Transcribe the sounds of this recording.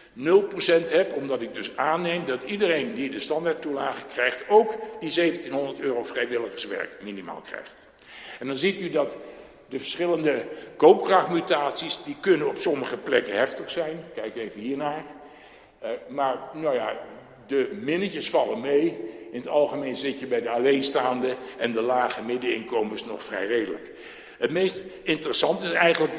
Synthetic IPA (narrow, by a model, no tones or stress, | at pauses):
nɵlˠprosɛntɦɛpɔmdɑtɪɡ̚dɵsaːnejmdɑtidərejndidəstɑndaːɹt̚ːulaːχəkrɛjχtowkdizejvəntinɦɔndəɹtøːrowfrɛjʋɪlˠəχəsʋɛ̰ɹkminima̰ːlˠkrɛ̰jχt | ɛndɑnzitydɑt | dəvəɹsχɪləndəkowp̚krɑχmytaːtsisdikɵnənɔpsɔməχəplɛ̰kənɦɛftəχsɛjnkɛjkejvəɦiːɹnaːɹ | maːɹnowja | dəmɪnətəsfɑlənmejɪnətɑlˠχəmejnzɪtjəbɛjdəalejnstaːndəɛndəlaːχəmɪdəɪnkowməsnɔ̰χfrɛ̰jrejdələ̰k | ɦətmejstɪntərəsɑntɪsɛjχənlək